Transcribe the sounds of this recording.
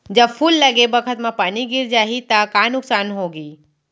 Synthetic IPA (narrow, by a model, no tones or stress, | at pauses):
d͡ʒɐbfʰuːlːɐɡebɐkʰət̪mãpaːniɡɪɾd͡ʒaːɦit̪ɐkaːnʊksaːnɦoːɡiː